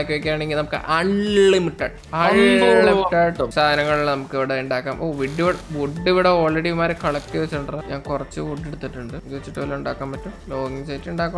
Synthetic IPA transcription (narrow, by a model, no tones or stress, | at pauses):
kʲːiʋekʲːaːɳeŋɡilnɐmukːɨ̰ʔɐɳːimuʈːa̰ː | ɐɻɐuʈːaːɻsaːd̪ʱɐnɐŋːɐɭuɭːnɐmukːiʋiɽeuɳɖaːkːaːmoːʋiɖːiʋiɽʋuɖːiʋiɽeo̞ːɭːeɽimaːɾekʰɐɭɐkːɨʋet͡ɕːiʈːuɳɖɐrɐɲaːŋkurɐt͡ɕːɨʋuɖːeɽut̪ːiʈːuɳɖɨd͡ʑoːʋit͡ɕːiʈːɨpoːlːeuɳɖa̰ːkːaːmːɐtːumloːɡit͡ɕeːitːuɳɖaːkːɐ